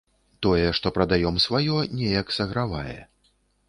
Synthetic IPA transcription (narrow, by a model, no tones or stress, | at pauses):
t̪ɔjɛʂt̪ɔpɾɐd̪ajɔmsvajɔnʲɛjɐksɐɣɾavajɛ̰